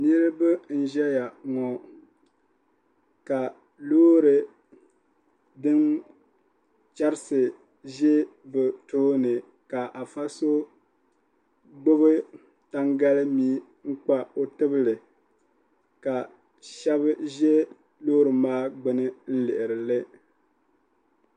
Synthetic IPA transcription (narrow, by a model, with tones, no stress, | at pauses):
nɨ˦ɾɨ˦bɨ˦n̩˦ʒɛ˦ja˨ŋɔ˨ | ka˨ | loː˦ɾɨ˨ | dɨ˦n | t͡ʃa˦ɾɪ˦sɨ˨ | ʒɛ˦bɨ˨toː˦nɨ˨ | ka˨ʔa˨fa˦so˦ | ɡ͡bʊ˦bɨ˦ | ta˦ŋɡa˦lɨ˦miː˦ | ŋ̩˦k͡pa˦o˦tɨ˦bɨ˦lɨ˨ | ka˨ | ʃɛ˦bɨ˦ʒɛ˦ | loː˦ɾɨ˨maː˦ɡ͡bʊ˦nɨ˦n̩˦lɪ˨ʔɪ˨ɾɨ˨lɨ˦